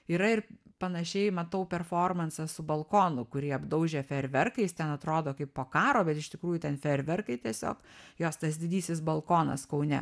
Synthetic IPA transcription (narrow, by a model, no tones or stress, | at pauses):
iːɾɐɪrpɐnɐʃʲɛɪmɐt̪ɐʊpʲɛrfoːrmɐnsɐsʊbɐlˠkoːnʊkʊɾʲiɛɐbd̪ɐʊʒʲeːfʲɛɾʲʋʲɛrkɐɪst̪ʲɛnɐt̪ɾoːd̪oːkɐɪppoːkɑːɾoːbʲɛt̪ɪʃʲt̪ʲɪkɾuːjʊt̪ʲɛnfʲɛɾʲʋʲɛrkɐɪt̪ʲiɛsʲo̰ːkjoːst̪ɐsd̪ʲɪd̪ʲiːsʲɪsbɐlˠkoːnɐ̰skɐʊnʲɛ̰